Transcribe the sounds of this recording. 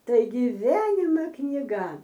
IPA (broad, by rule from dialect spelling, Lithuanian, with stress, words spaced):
ˈtɐɪ ɡʲɪˈʋʲiɛnʲɪmɐ knʲɪˈɡɐ